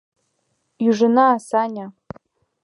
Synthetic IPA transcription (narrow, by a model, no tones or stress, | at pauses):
uʐanaːsanʲa